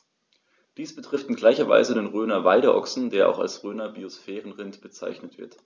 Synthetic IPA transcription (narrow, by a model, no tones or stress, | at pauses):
d̥iːsb̥ətʁ̥ɪftɪnɡlaɪçɐva̰ɪzədeːnʁøːnɐvaɪɾəʔɔ̰ksn̩deːɐʔa̰ʊxa̰lsʁøːnɐbiosfɛːʁən̩ʁɪntb̥ət͡sa̰ɪçnətv̥ɪ̰ɐt